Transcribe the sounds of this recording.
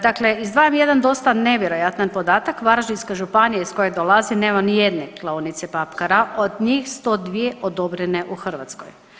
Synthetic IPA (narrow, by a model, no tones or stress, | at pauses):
d̪akleizd̪ʋaːjemjed̪and̪o̞st̪ane̞ʋjeɾo̞jat̪nanpo̞d̪aːt̪akʋaɾʒiskaʒupanijaisko̞jed̪olˠazineːmanijed̪neklˠaunit̪sepapkaɾaʔod̪ɲixst̪o̞d̪ʋijeʔod̪o̞bɾeneʔuxr̩ʋa̰t̪sko̰j